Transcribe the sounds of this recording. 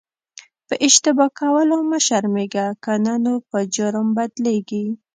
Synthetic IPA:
pəʔɪʃt̪ɪbɑkawəloməʃaɾmeɡakananopəd͡ʒʊɾəmbad̪leɡi

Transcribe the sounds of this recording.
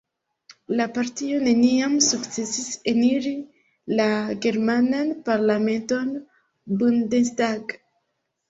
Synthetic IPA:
lapaɾtio̞ne̞niamsukt͡se̞siseniɾi | laɡe̞ɾmananpaɾlame̞nto̞n | bundensdaɡ

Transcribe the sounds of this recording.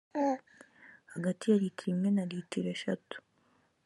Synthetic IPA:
haɡatijaɾitʰiɾimŋe̞naɾitiɾeʃatu̥

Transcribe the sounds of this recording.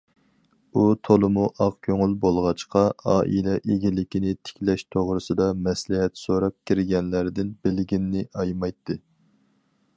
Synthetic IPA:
ut̪ʰolˠɨmuʔɑqkʲʰøŋylbolˠʁɑt͡ʃqɑɑːʔilɛʔeɡʲilɪkʲinɪt̪ʰɪ̥kʲlɛʃt̪ʰoʁɾɨsɨd̪ɑmɛslɪɦɛt̪soɾɑp̚kʲʰiɾɪɡʲɛnlæɾd̪ɪnbɪlɡʲinːɪʔɑjmɑjt̪ːɨ

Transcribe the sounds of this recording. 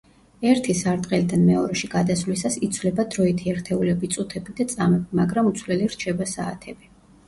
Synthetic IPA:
ɛɾt̪ʰisaɾd̪qʼɛlid̪anmɛɔɾɛʃiɡ̥ad̪asvlisasit̪sʰvlɛbad̪ɾɔit̪ʰiɛɾt̪ʰɛulɛbit̪sʼut̪ʰɛbid̪at̪sʼamɛbimaɡɾamut̪sʰlɛliɾt͡ʃʰɛbasaːt̪ʰɛbi

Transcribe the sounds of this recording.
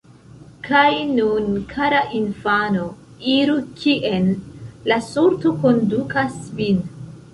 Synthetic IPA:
kʰajnunkʰaɾaʔinfano | iɾukʰiʔenlasuɾto̞ko̞ndukasvin

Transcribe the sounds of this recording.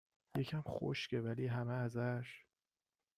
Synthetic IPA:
jecʰæmxo̰ʃcʰe̞væliːɦæmeæzæʃ

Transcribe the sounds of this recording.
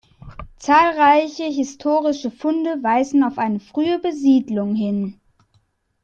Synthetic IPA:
t͡saːlʁaɪçəɦɪstʰoːʁɪʃəfʊndəvaɪzn̩aʊfʔaɪnəfʁ̥yːəbəziːdlʊŋɦɪn

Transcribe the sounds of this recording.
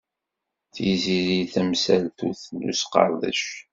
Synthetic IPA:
θiziɾiθæmsælθuθlːṵsqɑ̰ɾˤðə̰ʃ

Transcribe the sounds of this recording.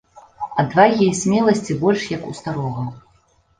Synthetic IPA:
ɐd̪vaɣʲisʲmʲɛlˠɐsʲt͡sʲibɔlʲʂjɐkust̪aɾɔɣɐ

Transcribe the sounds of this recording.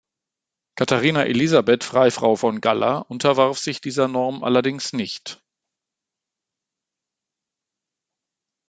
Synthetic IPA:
kʰataʁiːnaʔḛlizabɛtfʁ̥aɪfʁ̥aʊfɔnɡala̰ʔʊntʰɐvaʁfz̥ɪçd̥iːzɐnɔɐmʔa̰lɐdɪŋsnɪçt

